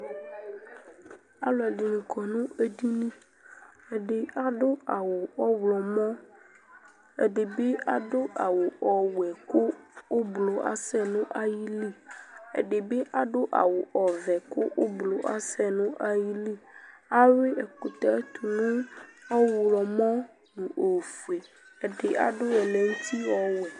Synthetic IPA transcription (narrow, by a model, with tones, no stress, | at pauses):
a̰˨lɔ˨ɛ˨ɖi˨nĩ˨kʰɔ˨nũ˦e˦di˦nĩ˦ | e˨ɖe˨a˦ɖo˦a˨wo˨ɔ˦wlɔ˨mɔ̃˦ | ḛ˨ɖe˨be˦a˦ɖo˦ʔa̰˨wo˨ɔ˨wu˨ɛ˨ko˦wo˦blo˨a̰˦sɛ˦nũ˦ʔa˦ji˦li˦˨ḛ˨ɖe˨be˦ʔa˨ɖo˦ʔa̰˨wo˨ʔɔ˨vɛ˨ko˦ʔo˦blo˨ʔa̰˦sɛ˦nũ˦ʔa˦ji˦li˦a˦we˦ɛ˨ko˨t̪a˨˦t̪ʰu˨nũ˦ɔ˦wlɔ˨mɔ̃˦ | nũ˨o˨fu˨e˨ | e˨ɖe˨ʔa̰˨ɖo˦ɛ˨le˨ŋũ˦t̪i˦wɔ˦wɛ˨